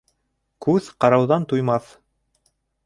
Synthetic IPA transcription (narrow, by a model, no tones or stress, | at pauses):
kʉðqɑɾɑwðɑnt̪ujmɑθ